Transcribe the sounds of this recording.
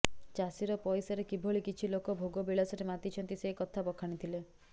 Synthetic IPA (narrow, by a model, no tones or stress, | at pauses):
t͡ʃasiɾɔpɔjsɔɾekibʱoɭikit͡ʃʰilokɔbʱoɡɔbiɭasɔɾemat̪it͡ʃʰɔnt̪isekɔt̪ʰabɔkʰaɽ̃it̪ʰile